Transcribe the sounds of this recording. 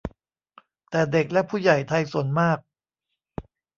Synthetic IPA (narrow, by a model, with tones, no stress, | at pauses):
t̪ɛː˨˩de˨˩k̚lɛ˦˥pʰuː˥˩ja˨˩jt̪ʰa˧jsu˨˩˦ə˦nmaː˥˩k̚